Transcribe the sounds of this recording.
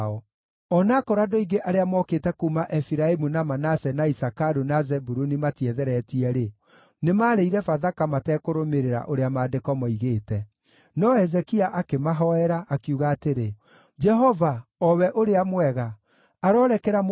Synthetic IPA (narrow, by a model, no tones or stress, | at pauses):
ɔ | ɔnakɔɾadɔiɡeʔaɾeamɔkeːtɛkuːmaʔɛfiɾaemunamanasɛnaisakaɾunazɛbuɾunimatiɛðɛɾɛtiɛɾe | nemaːɾeiɾɛfaðakamatɛːkoɾomeɾeɾa̰ʔoɾeamaːdekɔmɔiɣeːtɛ | nɔhɛzɛkiaʔakemaɦɔɛɾaʔakjuɣaːteɾe | d͡ʒɛɦɔvaɔwɛʔoɾeamwɛɣa | aɾɔɾɛkɛɾam